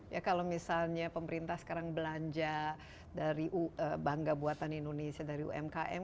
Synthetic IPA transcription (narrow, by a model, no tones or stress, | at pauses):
jakalomisalɲapəməɾint̪ahsə̥kaɾaŋbəlaɲd͡ʒa | daɾiʔuəbaŋɡabuat̪anindonesiadaɾiṵʔɛ̰mkaʔɛ̰m